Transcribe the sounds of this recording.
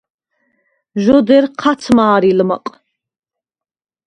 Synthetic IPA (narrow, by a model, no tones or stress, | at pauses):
ʒɔd̪ɛɾqʰat̪sʰmaːɾilmə̰qʼ